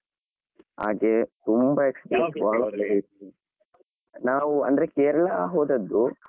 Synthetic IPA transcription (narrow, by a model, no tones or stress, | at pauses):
ɦa̰ːɡet̪umbɐekspɐsʋaːɭɐɐlɐɾiːt̪i | naːʋuɐ̰nd̪ɐɾe̞keːɾɐɭɐɦoːd̪ɐd̪ːu